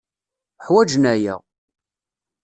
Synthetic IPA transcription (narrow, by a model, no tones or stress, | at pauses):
ħwæd͡ʒnæjæ̰ʁ